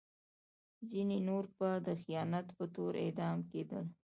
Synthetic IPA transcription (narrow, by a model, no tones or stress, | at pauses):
zinenoɾpəd̪əxijɑnat̪pət̪oɾḛd̪ɑmked̪əl